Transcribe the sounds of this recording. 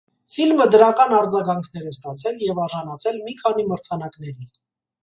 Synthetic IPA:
filməd̪əɾɑkɑnɑɾd͡zɑɡɑŋkʰnɛɾɛst̪ɑt͡sʰɛljɛvɑɾʒɑnɑt͡sʰɛlmikʰɑniməɾt͡sʰɑnɑknɛɾi

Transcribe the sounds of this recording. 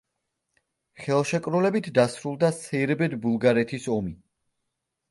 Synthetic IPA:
χɛlˠʃɛkʼɾulɛbit̪ʰd̪asɾulˠd̪asɛɾbɛd̪bulˠɡaɾɛt̪ʰisɔmi

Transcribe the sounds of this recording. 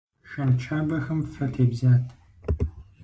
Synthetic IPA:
ʃɐnt͡ʃʰaːbɐxɐmfɐtʰeːbzaːtʰ

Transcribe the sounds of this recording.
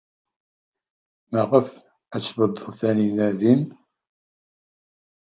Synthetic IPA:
məʁəf | æt͡sːbəd̪ˤːəðθæninæðin

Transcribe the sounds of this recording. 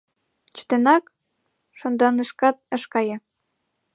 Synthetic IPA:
t͡ɕu̥t̪enɑk | ʃond̪ɑnəʃkɑt̪̚ə̆ʃkɑjɤ̆

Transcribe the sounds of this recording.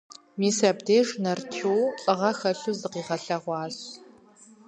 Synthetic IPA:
miːsɐbdeːʒnɐrtʰuwqʼɨʁɐxɐɬuːzɨqiːʁɐɬɐʁʷɑːɕ

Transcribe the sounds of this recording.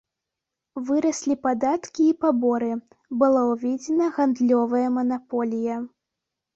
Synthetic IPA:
vɨɾɐsʲlʲipad̪at̪kʲiːpabɔɾɨ | bɨlˠawvʲɛd͡zʲɛnɐɣand̪lʲɔvɐjɐmɐnapɔlʲijɐ

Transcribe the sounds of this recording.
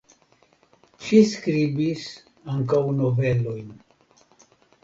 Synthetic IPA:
ʃiskɾibis | aŋkawnovelojn

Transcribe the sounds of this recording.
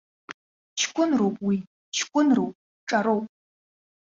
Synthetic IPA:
t͡ʃʰkʷʼʊnrowpʼwi | t͡ʃʰkʷʼʊnrowpʼ | ʈ͡ʂʼaɾowpʼ

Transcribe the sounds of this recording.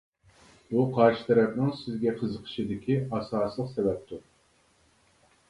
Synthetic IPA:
buqʰɑɾʃɨ̥t̪ʰɛɾɛp̚nɪŋsɪzɡʲɛqʰəzəqʰə̥ʃid̪ɪkʲʰiɑsɑːsəlˠəqsɛvɛp̚t̪ʰu

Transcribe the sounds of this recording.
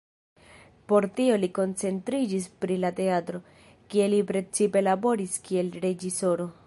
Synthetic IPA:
po̞ɾtio̞liko̞nt͡se̞ntɾid͡ʒispɾilate̞atɾo̞ | kie̞lipɾe̞t͡sipe̞labo̞ɾiskie̞lɾe̞d͡ʒiso̞ɾo̞

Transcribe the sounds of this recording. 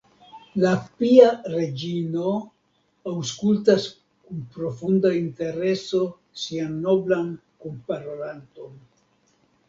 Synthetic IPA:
lapiaɾe̞d͡ʒino̞ | awskultas | kunpɾo̞fundainte̞ɾe̞so̞ | sianːo̞blan | kumpaɾoɾanto̞n

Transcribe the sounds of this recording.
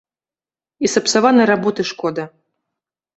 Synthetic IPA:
isɐpsavanɨjɾabɔt̪ɨʂkɔd̪ɐ

